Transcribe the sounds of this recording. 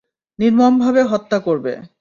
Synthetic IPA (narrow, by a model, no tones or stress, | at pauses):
niɾmombʱabeɦɔt̪ːakoɾbḛ